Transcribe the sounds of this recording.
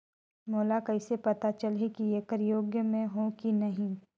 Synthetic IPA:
moːlakɐɪsepɐt̪at͡ʃəlɦekijekəɾjoːɡjəmẽɦõkinɐɦĩ

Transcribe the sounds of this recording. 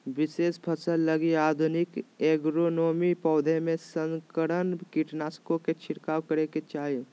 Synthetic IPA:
ʋɪseːspʰəsəlləɡiaːd̪ʱunɪkeːɡɾonoːmipɔːd̪ʱemẽsə̃ŋkəɽənkiʈnaːskõket͡ʃʰɪɾkaːwkəɾeket͡ʃaːɦe

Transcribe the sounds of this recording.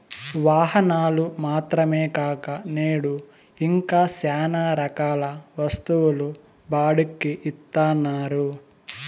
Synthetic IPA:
ʋaːɦɐnaːlumaːt̪ɾɐmeːkaːkɐneːɽu | iŋkaːsaːnaːɾɐkaːlɐʋɐst̪uʋulu | baːɽukːiʔit̪ːaːnːaːɾu

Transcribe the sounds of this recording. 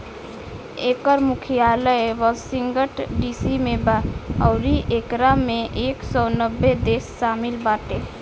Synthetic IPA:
ekəɾmukʰijaləjʋɔsiŋɡəʈɖisimebaəʊɾiʔekɾameʔeksɔnəbːed̪esːamilbaʈ̪e

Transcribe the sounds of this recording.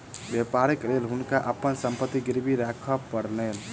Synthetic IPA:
bepaɾeklelɦunkaʔəpːənsəmpət̪ːiɡiɾbiɾakʰəpːəɾlel

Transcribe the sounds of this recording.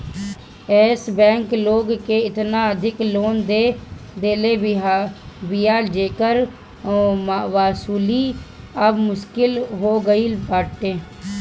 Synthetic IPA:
ɛːsbɛ̃ːŋkloːɡkeɪt̪naəd̪ʱɪkloːnd̪ed̪eːle | bijaːld͡ʒeːkəɾ | mʋaːsuːli | əbmʊʃkɪlɦoːɡəilpaːʈʈ̪ẽː

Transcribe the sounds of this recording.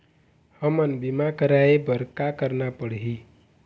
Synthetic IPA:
hʌmənbimakəɾaebəɾkakəɾnapəɽɦi

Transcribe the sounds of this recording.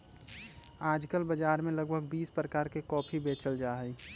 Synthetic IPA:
aːd͡ʒkəlbəd͡ʒaːɾmẽləɡbʱəɡbiːspɾəkaːɾkekɔːpʰibeːt͡ʃəld͡ʒaːɦɛi

